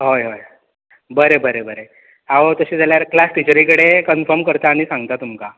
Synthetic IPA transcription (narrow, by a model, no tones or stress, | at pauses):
ɦojɦoj | bəɾebəɾebəɾe | aʋət̪əɕed͡zaljaɾklasʈit͡ɕəɾikəɽekənfəɾmkəɾt̪aːɽ̃isãŋɡt̪at̪umka